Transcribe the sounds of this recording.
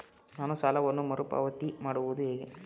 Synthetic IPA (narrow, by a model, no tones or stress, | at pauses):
naːnũsɐlɐʋɔnːɯ̃mɐɾɯpa̰ːʋɐt̪ːimaːɽɯʋɐðɯeːɣḛ̃ː